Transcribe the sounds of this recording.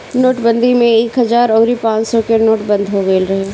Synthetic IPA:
noːʈbə̃nd̪ʱimẽeːkɦɐzaːɾɔːɾipãːt͡ʃsɔkenoːʈbɐ̃nd̪ʱɦoɡeːlɾɐɦeː

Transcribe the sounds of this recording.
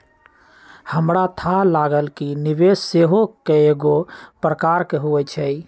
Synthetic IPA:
həmɾat̪ʰalaɡəlkiniʋesːeɦokeeɡopɾəkaɾkeɦuɛt͡ʃʰɛj

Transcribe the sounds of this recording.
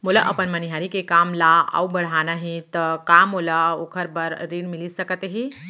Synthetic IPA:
mulaʔəpənməniɦaɾikekamlaa̰ubəɽ̤anaɦẽt̪əkamolaokʰəɾbəɾɾiɽmilisəkət̪ɦe

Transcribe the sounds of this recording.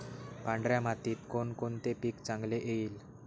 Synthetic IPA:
pãɳɖɾjamat̪iːt̪konkont̪epiːkt͡sãŋɡleʔeiːl

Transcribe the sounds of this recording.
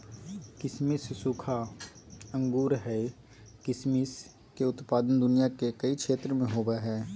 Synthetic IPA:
kɪsmissukʰa | ə̃ŋɡuːɾɦɛ | kɪsmis | keʊt̪paːd̪ənd̪ʊnijakekəikʰʃeːt̪ɾəmẽɦoːʋaɦɛː

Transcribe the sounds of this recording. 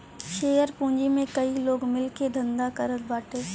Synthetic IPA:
ʃeːjəɾpũːɲd͡ʑimẽkɐiloːɡmɪlkʰed̪ʱɐ̃nd̪akəɾət̪baːʈʰeː

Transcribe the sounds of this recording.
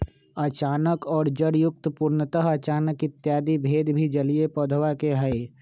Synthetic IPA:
ɐt͡ʃaːnəkɔːɾd͡ʒəɽjʊk̚t̪puːɾnət̪əɦɐt͡ʃaːnəkɪt̪jaːd̪ibʱeːd̪bʱid͡ʒəliepod̪ʱʋakeɦəe

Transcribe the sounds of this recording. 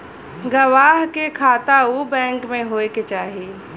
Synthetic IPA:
ɡɐʋaːɦkekʰaːt̪aubɛ̃ːŋkmẽɦoːeket͡ʃaːɦieː

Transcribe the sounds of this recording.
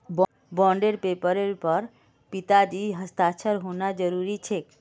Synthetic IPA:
b | bɔ̃ɳɖeɾpepəɾelpəɾ | pit̪ad͡ʒiɦəst̪aʃʰəɾɦonad͡ʒəɾuɾit͡ʃʰe

